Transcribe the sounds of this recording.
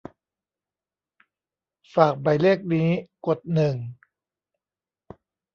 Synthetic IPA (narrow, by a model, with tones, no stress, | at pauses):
faː˨˩k̚ba˨˩jleː˥˩k̚niː˦˥ko˨˩t̪̚nɯ˨˩ŋ